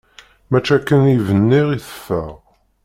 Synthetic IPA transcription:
mæt͡ʃːækːənivənːiʁiθə̥fːəʁ

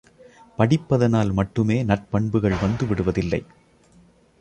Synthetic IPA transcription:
pɐɽɪpːɐðɐnaːlmɐʈːɯmeːnɐʈ̚pɐɳbɯɣɐɭʋɐnd̪ɯʋɪɽɯʋɐðɪlːɐ̰ɪ

